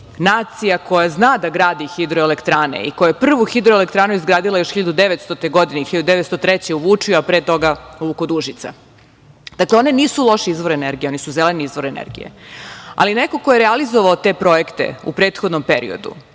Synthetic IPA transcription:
naːt̪sijako̞jaznaːd̪aɡɾaːd̪ixid̪ɾoelekt̪ɾaːnḛḭkojajepr̩ʋuxid̪ɾoelekt̪ɾaːnuizɡɾaːd̪ilˠajo̞ʃxiʎad̪ud̪eʋet̪st̪ot̪eɡo̞d̪inexiʎad̪ud̪eʋet̪st̪ot̪ɾɛt͡ɕeuʋuːt͡ʂijoapɾeːt̪o̞ɡauukod̪uʒit̪sa̰ | d̪̥akleo̞neniːsulˠo̞ʃiizʋo̞ɾeneɾɡijeo̞nisuzeleniizʋo̞ɾenḛɾɡḭjḛa̰lineko̞kojeɾealizoʋaot̪e̞pɾo̞je̞kt̪e̞̰ṵpɾe̞ːt̪xod̪nompeɾḭo̰d̪ṵ

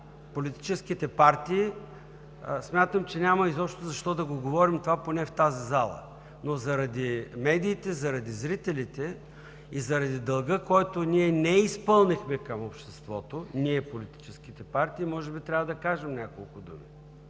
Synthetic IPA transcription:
polit̪i̥t͡ʃɛsk̟it̪ɛpaɾt̪iː | smʲjat̪əmt͡ʃɛnʲamɐizɔpʃt̪ozɐʃt̪ɔd̪ɐɡoɡovɔɾimt̪ovaponɛft̪azizalˠə̰ | nozɐɾɐd̪imɛd̪iːt̪ɛzɐɾɐd̪izɾit̪ɛlit̪ɛ | izɐɾɐd̪id̪ɐlˠɡɤkɔjt̪oniɛnɛispɤlˠnixmɛkɐmopʃt̪ɛst̪vɔt̪oniɛpolit̪i̥t͡ʃɛsk̟it̪ɛpaɾt̪iːmɔʒɛbit̪ɾʲavɐd̪ɐkaʒɛmnʲakolˠkʊd̪ṵmi

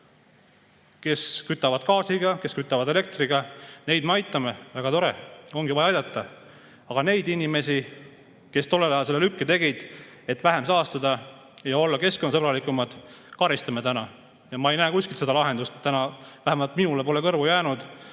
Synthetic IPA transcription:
ke̞skyt̪ːˑɑvɑd̪̥kɑːsiɡɑke̞skyt̪ːˑɑvɑd̪e̞le̞k̚t̪riɡ̥ɑne̞jd̪̥meɑjt̪ːˑɑmevæɡ̥ɑt̪o̞ɾḛo̞ŋɡ̥ivɑjɑɑjd̪ɑt̪ːˑɑ | ɑɡ̥ɑne̞jd̪inʲime̞si | ke̞st̪o̞lːelɑjɑlselːelykːet̪e̞ɡid̪̥e̞t̪væɦe̞msɑːst̪ɑd̪̥ɑ | jɑo̞lːɑke̞skonːɑsɤbɾɑlikːˑumɑd̪̥ | kɑɾist̪ɑmet̪ænɑ | jɑmɑejnæːkusʲkilt̪se̞d̪ɑlɑɦe̞nd̪ust̪t̪ːænɑvæɦæmɑlt̪minulepo̞lekɤrvujæːnud̪̥

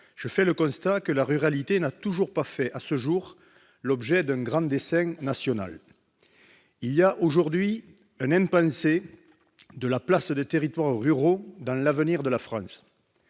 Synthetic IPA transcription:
ʒ̥əfɛləkɔ̃st̪akəlaʁyʁalit̪enat̪uʒuʁpafɛʔasəʒuʁ | lɔbʒɛd̪ɛ̃ŋɡʁɑ̃d̪esɛ̃nasjɔna̰l | iliaʔoʒuʁd̪ɥi | ɛ̃nɛ̃mpɑ̃se | d̪əlaplasd̪ət̪eʁit̪waʁʁyʁod̪ɑ̃lavəniʁd̪əlafχɑ̃s

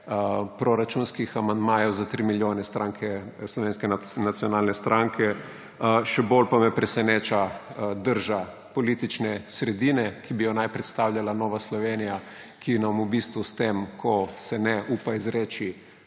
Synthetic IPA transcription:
pɾoɾat͡ʃunskixamand̪maːjɔwzat̪ɾimiljoːnɛst̪ɾaːŋkʰɛslɔʋeːnskɛnat̪sijɔnaːlnɛst̪ɾʔaŋkʰɛ | ʃɛbolpamɛpɾɛsɛneːt͡ʃad̪əɾʒa | pɔlit̪it͡ʃnɛsɾɛd̪inɛkibijɔnajpɾɛt̪st̪aːwlʲjalanɔːʋaslɔʋeːnija | kinamubist̪ʋust̪emkʰɔsɛnɛʔuːpaizɾeːt͡ʃi

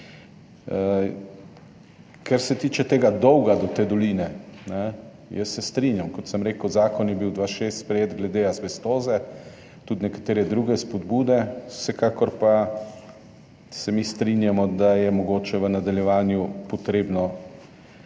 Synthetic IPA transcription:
kɛɾsɛt̪iːt͡ʃɛt̪eːɡad̪ɔwɡad̪ɔt̪ed̪ɔliːnɛnɛ | jəsːɛst̪ɾinjamkɔt̪səmɾeːkəwzaːkɔnjɛbiwd̪ʋaʃest̪spɾɛjeːt̪ɡlɛd̪eazʋɛst̪oːzɛ | t̪ud̪nɛkḁt̪eːɾɛd̪ɾuɡɛspɔd̪buːd̪ɛ̥sɛkaːkɔɾpa | sɛmist̪ɾinjamɔd̪ajɛmɔɡoːt͡ʃɛʋənad̪aljɛʋaːnjupɔt̪ɾeːbnɔ

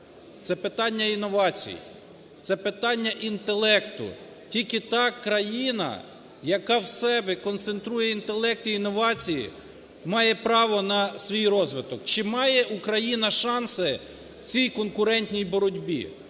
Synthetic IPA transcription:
t̪sɛpɪt̪ɑnʲːɐinɔʋɑt͡sʲḭjḭ | t̪sɛpɪt̪ɑnʲːɐʔint̪e̞lˠɛkt̪ʊ̰ | tʲilʲkɪt̪ɑkɾɐjinɐ̰ | jɐkɑwsɛbɛkɔnt̪sent̪ɾujɛint̪e̞lˠɛk̚t̪iːnɔʋɑt͡sʲijḭ | mɑjɛpɾɑʋɔnɐsʋʲijɾɔzʋɪt̪ɔkt͡ʃɪmɑjɛʔukɾɐjinɐʃɑnsɪ | wt͡sʲijkɔnkʊɾɛnʲtʲnʲijbɔɾɔdʲbʲḭ

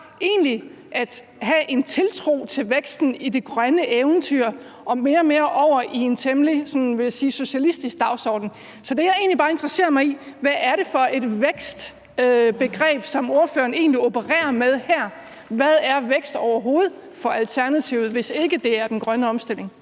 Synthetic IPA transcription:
e̝̰ːnli | ʔæd̥ | ɦæʔe̝nt͡sʰe̝lt͡sʰʁo̝̰ːt͡sʰe̝lʋeɡ̥sd̥n̩ide̝ɡ̥ʁɶnəʔeʊn̩t͡sʰyɐ̰ | ʔɒ̽me̝ːɐme̝ːɐʔɒʊ̰ɐʔie̝nt͡sʰemlisɒ̽nʋe̝jæsiːso̝ɕælisd̥isɡ̥̚d̥ɑ̈ʊsɒ̰ːd̥n̩ | sɒ̽d̥e̝jɑ̈ɪe̝̰ːnlib̥ɑ̈ːend̥ʁɑse̝̰ɐmɑ̈ɪiʋæʔæɐɾe̝fɒ̽e̝d̥ʋeɡ̥sd̥ | b̥e̝ɡ̥ʁɛ̰ːb̥sɒ̽mo̝ɐføːɐne̝̰ːnliobəʁɛ̰ːɐmeð̞ˠhæɐ̰ | ʋæð̞ˠæɐʋeɡ̥sd̥ɒʊɐɦo̝ːð̞̩ˠfɒ̽ælt͡sʰæɐnæt͡sʰiʊð̩ˠʋe̝se̝ɡ̥əd̥e̝æɐd̥enɡ̥ʁɶnəɒ̽msd̥ele̝ŋ

